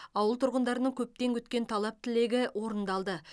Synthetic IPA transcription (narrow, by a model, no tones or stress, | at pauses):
ɑwəlˠt̪ʰʊɾʁənd̪ɑɾənəɴkʲʰɵp̚t̪e̞ŋkʲʰʏt̪kʲe̞nt̪ʰɑlˠɑp̚t̪ʰɪle̞ɡʲɪwo̞ɾənd̪ɑlˠd̪ə